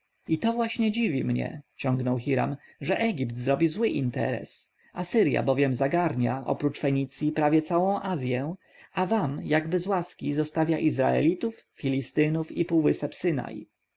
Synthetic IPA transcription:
it̪ɔvwaɕɲɛd͡ʑivʲimɲɛ̰t͡ɕɔ̃ŋɡnɔwxiɾa̰mʐɛʔɛɡʲipt̪zɾɔbʲizwɘʔint̪ɛ̰ɾɛ̰s | asɘɾja̰bɔvʲjɛmzaɡaɾɲaʔɔ̰pɾut͡ʂfɛɲit̪sʲjipɾavʲjɛt̪sawɔ̃w̃ʔazʲjɛ | avamjaɡbɘzwaskʲizɔst̪avʲjaʔizɾa̰ɛ̰lʲit̪ufːʲilʲist̪ɘnufipuwvɘsɛpsɘna̰j

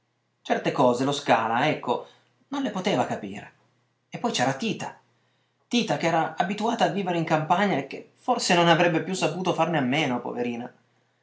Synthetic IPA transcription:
t͡ʃɛrt̪ekɔːzeloskaːlaɛkʰːo | nonlepot̪eːvakapḭːɾḛ | epːɔjt͡ʃɛːɾat̪iːt̪a | t̪iːt̪akeɛːɾaabit̪uaːt̪aːvːiːveɾeiŋkampaɲːaek̟ːeforsenonavɾɛbːepjusːapuːt̪ofarneamːeːnopo̰veɾiːna

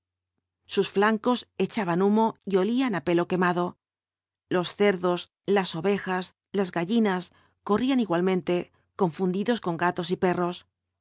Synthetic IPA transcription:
susflaŋko̞se̞t͡ʃaβanumo̞io̞lianape̞lo̞ke̞maðo̞ | lo̞sθe̞ɾðo̞s | laso̞βe̞xas | lazɣaʎinas | ko̞rianiɣwalmẽ̞nt̪e̞ | ko̞ɱfund̪iðo̞sko̞ŋɡat̪o̞s̬ipe̞ro̞s

